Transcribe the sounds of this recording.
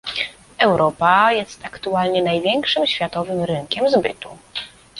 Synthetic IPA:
ɛwɾʔɔpajɛst̪akt̪ualɲɛnajvʲjɛŋkʂɘmɕfʲjat̪ɔvɘmɾɘŋkʲɛmzbɘ̰t̪u

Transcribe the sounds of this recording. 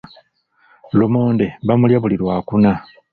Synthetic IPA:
lumo̞ːnde̞βamuljaβuliɾwaːkuna

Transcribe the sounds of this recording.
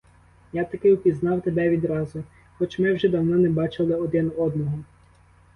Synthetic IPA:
jat̪ɐkɪwpʲiznɑwt̪ebɛʋʲid̪ɾɑzʊ | xɔt͡ʃmɪwʒɛd̪ɐwnɔnɛbɑt͡ʃɪlˠɪɔd̪ɪnɔd̪nɔɦɔ

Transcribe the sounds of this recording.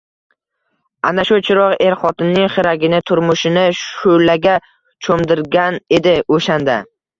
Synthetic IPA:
anaʃʊt͡ʃʰɪɾɒqe̞ɾχɒt̪ɪnnːɪŋχɪɾaɡʲɪnɪt̪ʰʊɾmʊʃɪnɪʃʊlaɡʲa | t͡ʃʰomd̪ɪɾɡʲane̞d̪ɪoʃand̪a

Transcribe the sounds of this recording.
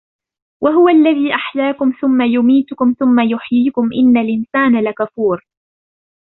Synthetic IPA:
wʔaɦʊwaʔlːaðiːʔaħjaːkʊmθʊmːajʊmiːt̪ʊkʊmθʊmːajʊħjiːkʊmʔɪnːalʔɪnsaːnalakafuːɾ

